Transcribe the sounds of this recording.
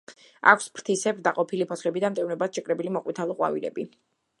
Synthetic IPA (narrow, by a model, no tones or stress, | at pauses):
a̰kʷʰspʰɾt̪ʰisɛbɾd̪aqʼɔpʰilipʰɔsχɛbid̪amt̪ʼɛvnɛbat̪ʃɛkʼɾɛbilimɔqʼwit̪ʰalˠɔqʼwa̰vḭɾɛ̰bi